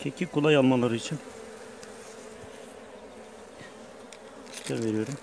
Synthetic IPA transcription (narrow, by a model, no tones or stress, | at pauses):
cʰecʰikulˠajalˠmalˠaɾɯit͡ʃʰin | iʃt̪ʰænve̞ɾijo̞ɾum